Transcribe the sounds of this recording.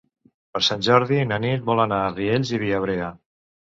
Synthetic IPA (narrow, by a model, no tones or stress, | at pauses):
pəɾsanʲʒɔɾðinənit̪̚bɔlənaːrieʎʲziβiəβ̞ɾeə